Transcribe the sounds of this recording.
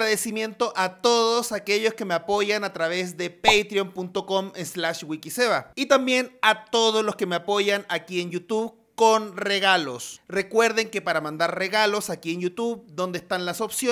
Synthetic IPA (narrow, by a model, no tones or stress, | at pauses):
ɾaðesimje̞nt̪o̞ʔat̪o̞ðosakeʝo̞skemeapo̞ʝanat̪ɾaβez̬ðe̞pejt̪ɾiompunt̪o̞ko̞menslaʃɡwikiseβait̪ambje̞nat̪o̞ð̞oslo̞skemeapo̞ʝanakienjut̪uβ | ko̞nreɣalosre̞kwe̞ɾðe̞ŋke̞paɾamãnd̪aɾre̞ɣalo̞sakienjut̪uβd̪o̞nd̪eːst̪anlaso̞psjo